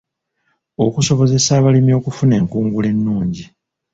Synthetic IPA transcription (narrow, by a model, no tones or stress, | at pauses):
o̞kuso̞βo̞ze̞saːβalimijo̞ːkufune̞ːŋkuːŋɡule̞nːuːɲɟi